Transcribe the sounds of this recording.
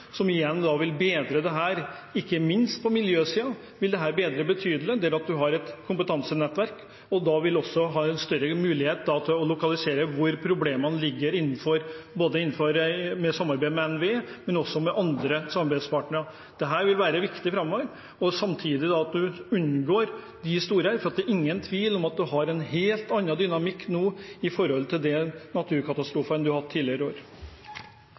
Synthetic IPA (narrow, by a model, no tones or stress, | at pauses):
sɔmɪjɛnːd̪ɑʋɪlbeːd̪ɾəd̪ɛɦæːɾ | ɪkːəmɪnst̪̚pʰɔmɪljøːsiːɑ | ʋɪld̪ɛɦæːɾbeːd̪ɾəbət̪ʰyːd̪əl̩əd̪ɛæɾɑt̪̚d̪ʉɦɑɾɛt̪kʰʊmpət̪ɑnsənɛt̪ːʋæɾk | ɔd̪ɑʋɪlɔsːɔɦɑːɛnst̪œɾəmʉːlɪheːt̪̚d̪ɑt̪ɔlʊkɑlɪseːɾəʋʊɾpʰɾʊbleːmənlɪɡːəɾɪnːn̩fɔɾboːd̪əɪnːn̩fɔɾmɛsɑmːɑɾbæɪmɛɛnʋeːmɛnɔsːɔmɛʔɑnd̪ɾəsɑmɑɾbæɪspɑːʈnəɾɑ | d̪̥ɛɦæːɾʋɪlʋæːɾəʋɪkt̪ɪfɾɑmːɔʋəɾ | ɔsɑmt̪ʰiːd̪ɪd̪ɑɑt̪̚d̪ʉʉnɡoːɾ | d̪ɪst̪uːɾəəɾfɔɾɑt̪̚d̪ɛɾʔɪŋːənt̪ʰʋiːlɔmɑt̪̚d̪ʉɦɑɾɛnheːlt̪ɑnːɑd̪ʏnɑmɪkːnuːɪfɔɾɔlt̪ʰɪld̪ɛnɑt̪ʰʉːɾkʰɑt̪ɑst̪ɾuːfəɛnd̪ʉɑhɑt̪ʰːiːlɪəɾəoːɾ